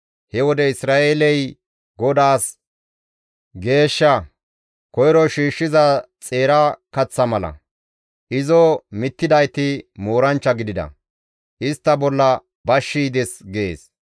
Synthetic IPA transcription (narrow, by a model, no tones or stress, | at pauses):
hɛwɔd̪ɛɪsɾaːʔeːlɛj | ɡɔd̪aːs | ɡe̞ːʃːɐ | kɔjɾɔʃiːʃːɪzɐt͡sʼe̞ːɾakɐt͡sːɐmɐlɐ̰ | ʔɪzɔmɪt̪ːɪd̪ɐjt̪ɪmoːɾɐnt͡ʃːɐɡɪd̪ɪd̪ɐ̰ | ʔɪst̪ːɐbɔlːɐ | bɐʃːiːd̪ɛsɡeːs